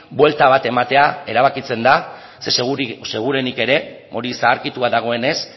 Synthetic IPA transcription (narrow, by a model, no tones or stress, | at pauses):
bwe̞lt̪aβ̞at̪e̞mat̪e̞ae̞ɾaβ̞akit͡se̞nd̪a | sese̞ɣ̞uɾe̞nike̞ɾe̞o̞ɾisaːɾkit̪uaðaɣ̞o̞e̞ne̞s